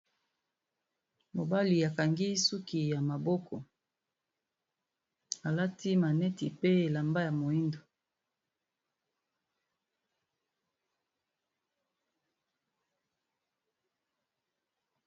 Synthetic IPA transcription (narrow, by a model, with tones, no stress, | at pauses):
mo˨ba˦li˨a˨ka˨ŋɡi˦su˦ki˨ja˨ma˨bɔ˦kʰɔ˨ | a˨la˦ti˦ma˨nɛ˦ti˨pe˦e˨la˨mba˦ja˨mo˨i˦ndo˨